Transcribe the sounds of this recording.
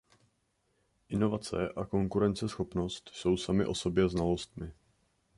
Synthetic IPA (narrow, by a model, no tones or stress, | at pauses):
ʔɪno̞vat͡sɛ̰ʔako̞ŋkuɾɛnt͡sɛsxo̞pno̞st̪so̞wsamɪʔo̞so̞bjɛznalo̞st̪mɪ